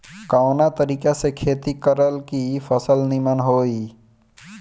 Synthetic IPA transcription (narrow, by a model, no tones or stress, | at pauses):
kaʊnat̪əɾiːkesekʰeːt̪ikəɾəlkipʰəsəlnimənɦoːi